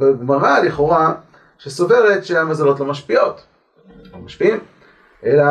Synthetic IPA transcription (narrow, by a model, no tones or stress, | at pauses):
beɡmaʁaliχo̞ʁa | ʃeso̞ve̞ʁet̪ʃeamazalo̞tlo̞maʃpio̞t̪ | omaʃpiim | ʔela